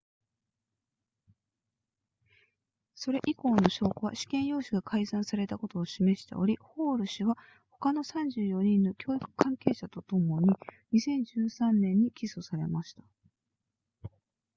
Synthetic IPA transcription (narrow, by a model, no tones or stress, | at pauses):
so̞ɾe̞ʔiko̞ːno̞ɕo̞ːkoβa̰ɕi̥kẽ̞ɰ̃jo̞ːɕiɡakʰaizãɰ̃saɾe̞t̪ako̞t̪o̞ːɕime̞ɕi̥t̪e̞̰o̞̰ɾʲiho̞ːɾɯ̟ɕiβa | ho̞kano̞sãɲ̟d͡ʑɨːjo̞ɲ̟ĩnːo̞kʲo̞ːikɯ̟̥kʰãŋke̞ːɕat̪o̞t̪o̞mo̞ɲ̟iɲ̟isẽ̞ɲ̟d͡ʑɨːsãnːẽ̞ɲ̟ːikʲiso̞saɾe̞̰maɕi̥t̪ḁ